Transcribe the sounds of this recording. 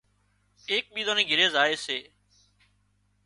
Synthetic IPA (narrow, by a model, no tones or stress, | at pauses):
eːk̚ɓiːd̪oːnĩːɡʱɪɾeːzaːeːseː